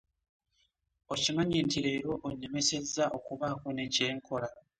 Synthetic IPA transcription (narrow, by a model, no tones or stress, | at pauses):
ocimaɲiːntiɾe̞ːɾo̞ʔoɲːe̞me̞se̞zːaʔo̞kuβaːkone̞ce̞ːŋkʰo̞la